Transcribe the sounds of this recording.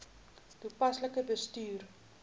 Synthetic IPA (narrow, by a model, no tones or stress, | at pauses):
tupɐsləkəbəstyːr